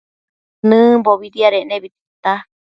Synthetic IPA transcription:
nɨ̃boβiɾiaɾeʔnẽβit̪it̪a

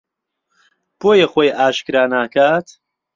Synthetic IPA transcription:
b̥oːjɐχoːjʔaːʃkɨɾaːnaːkaːt̪

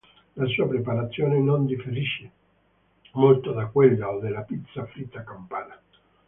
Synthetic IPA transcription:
lasuːapɾepaɾat̪sːjoːnenond̪ifeɾiʃːe | molt̪od̪akːwelːaod̪ːelːapit̪sːafɾit̪ːakampaːna

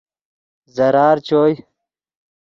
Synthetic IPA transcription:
zɐɾaːɾt͡ɕoːj

